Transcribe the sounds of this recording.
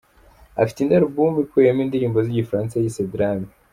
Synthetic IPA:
a̰fi̥tindaɾubumikwejamindiɾiːmbo̞ziɟifɾaːnsajisedɾami

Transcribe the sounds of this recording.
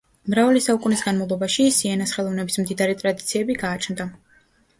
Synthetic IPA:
mɾavalisaukʼunisɡanmavlˠɔbaʃisiɛnasχɛlˠɔvnɛbismd̪id̪aɾɛt̪ʼɾad̪it̪sʰiɛbiɡaːt͡ʃʰnd̪a

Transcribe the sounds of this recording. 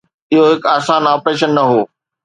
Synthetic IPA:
ɪɦoɦɪkaːsaːnaːpɾeːʃənːɐɦoː

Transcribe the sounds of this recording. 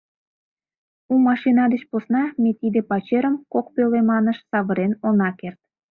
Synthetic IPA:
umɑʃinɑd̪et͡ɕposnɑmet̪id̪epɑt͡ɕeɾəmkok̚pølemɑnəʃsɑβəɾenonɑkert̪̚

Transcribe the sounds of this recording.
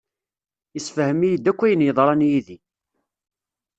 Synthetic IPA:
isfəhəmijəd̪ækʷːæjənjəðˤɾˤɑnjiði

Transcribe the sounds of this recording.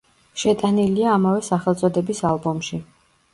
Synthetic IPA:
ʃɛt̪ʼaniliaːmavɛsaχɛlˠt̪sʼɔd̪ɛbisalˠbɔmʃi

